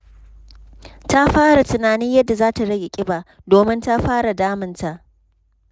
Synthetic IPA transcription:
ta˦ɸaː˦ɽa˨tʊ˨naː˨nɪ˦ɲjɐ˦dːa˨zaː˦ta˨ɽɐ˦ɡʲɪ˨kʲʼɪ˦baː˨ʔ | doː˨mɪ˦nta˦ɸaː˦ɽa˨daː˦mɪ˨nta˨ʔ

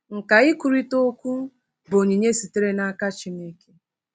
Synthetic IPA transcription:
ŋ̩˨ka˨ɪ˦kʷu˨ɾi˦to˦kʷu˦ | bo˨ɲi˨ɲe˦si˨te˦ɾe˦na˦a˦ka˦t͡ʃi˨me˦ke̥˦

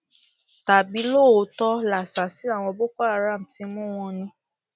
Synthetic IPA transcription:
ta˨bi˨˦lo˦˨o˧˦tɔ˦la˨sa˨si˨˦a˦˨w̃ɔ̃˧bo˦kɔ˦a˦˨ɾa˦˨m̩˨ti˨˧˦mũ˦w̃ɔ̃˧nĩ˧

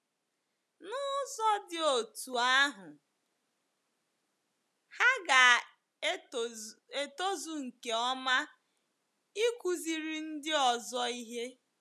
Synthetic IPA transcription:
nʊ˦sɔ˦dɪ˨o˨tu˨a˦ɦʊ˨ | ha˦ɡa˨ | e˦˨to˦zu˨ŋ̩˨ke˨ɔ˦ma˦ | i˦kʷu˨zi˨ɾi˨n̩˦dɪ˦ɔ˨zɔ˦i˦ɦe˦

